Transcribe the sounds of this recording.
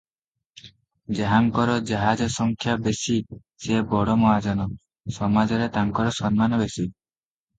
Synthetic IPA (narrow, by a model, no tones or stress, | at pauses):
d͡ʒeɦaŋkɔɾɔd͡ʒaɦad͡ʒɔsɔŋkʰjabesi | sebɔɽɔmɔɦad͡ʒɔnɔ | sɔmad͡ʒɔɾet̪aŋkɔɾɔsɔnmanɔbesi